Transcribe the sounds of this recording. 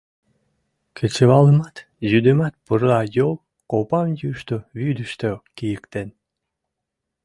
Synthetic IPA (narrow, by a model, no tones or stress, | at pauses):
kʰet͡ɕeβɑləmɑt̪ | zyd̪ømɑt̪̚pəɾɑjol | kopɑmjyʃt̪oβyd̪əʃt̪økijəkt̪en